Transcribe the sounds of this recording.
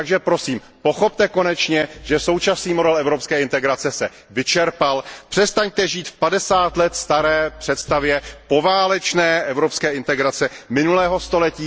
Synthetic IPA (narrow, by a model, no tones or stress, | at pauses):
aɡʒɛpɾo̞siːm | po̞xo̞p̚t̪ɛko̞nɛt͡ʃɲɛʒ̥ɛso̞wt͡ʃasniːmodɛlɛvɾo̞pskɛːɪnt̪ɛɡɾat͡sɛsɛ | vɪt͡ʃɛɾpalpr̥ɛst̪aɲt̪ɛʒiːt̪fpadɛsaːt̪lɛt̪st̪aɾɛːpr̝̥ɛt̪st̪avjɛpo̞vaːlɛt͡ʃnɛːʔɛvɾo̞pskɛːɪnt̪ɛɡɾat͡sɛmɪnulɛːɦo̞st̪o̞lɛciː